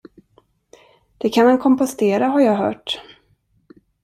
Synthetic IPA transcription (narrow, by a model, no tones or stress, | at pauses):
d̪̥ɛkʰanmankʰɔmpɔst̪eːɾaɦaɾjɑːɡɦœ̰ːʈ